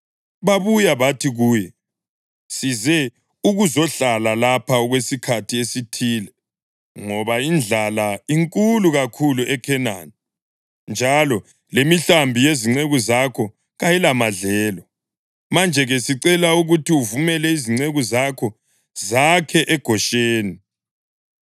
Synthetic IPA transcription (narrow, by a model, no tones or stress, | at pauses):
βaβujaβatʰiɣuːjɛ | sizɛ | uɣuzɔɬalalapʰaɔɣwesikʰatʰiesitʰiːlɛ | ŋɔβaind͡ɮʱalaiŋkʼuluɣakʰuluʔɛkʰɛna̰ni | nd͡ʒʱalɔ | lemiɬambʱijeziŋ͡ǀeɣuzakʰɔ | ɣajilamaɮɛːlɔ | mand͡ʒʱɛɣɛsiǀɛlauɣutʰiuvumɛlɛiziŋ͡ǀeɣuzakʰɔ | zakʰɛʔɛɡ̥ʱɔʃeːni